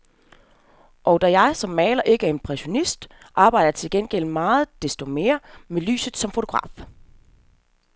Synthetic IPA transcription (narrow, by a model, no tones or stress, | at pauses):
ʔɒʊd̥æjɑ̈ɪsɒ̽mːɛ̰ːlɐʔe̝ɡ̥æɐe̝npʰʁɛɕo̝nisd̥ | ʔɑ̈ːb̥ɑ̈ɪ̰d̥ɐjt͡sʰe̝lɡ̥enɡ̥el̰mɑ̈ːð̞̩ˠd̥e̝sd̥o̝me̝ːɐmely̰ːsð̩ˠsɒ̽mfoo̥ʁɑ̰̈ːf